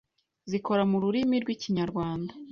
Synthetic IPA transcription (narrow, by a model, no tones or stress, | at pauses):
ziko̞ɾamuɾuɾimiɾɡwiːciɲaɾɡwaːnda